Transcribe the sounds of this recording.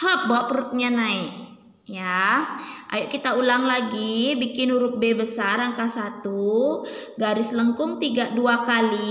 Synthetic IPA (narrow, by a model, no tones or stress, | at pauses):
həp̚boʔpɾut̪̚ɲanaik | ja | ʔa̰juʔkit̪aulaŋlaɡibikɪnuɾʊk̪̚bebəsarɾaŋkasat̪u | ɡaɾɪsləŋkʊŋt̪iɡaduakali